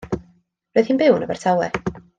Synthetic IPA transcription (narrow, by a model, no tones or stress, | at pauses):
roːjð̥hiːnbɪwnəbɛr̥tʰawɛ